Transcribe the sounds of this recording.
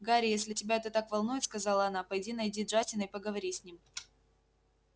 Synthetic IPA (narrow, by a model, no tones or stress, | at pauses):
ɡaɾʲɪjesʲlʲɪtʲɪbʲaɛt̪ət̪akvɐlˠnujɪt̪skɐzɑlˠəɐnapɐjdʲinɐjdʲiʐatʲɪnɨɪpəɡəvɐɾʲisʲnʲim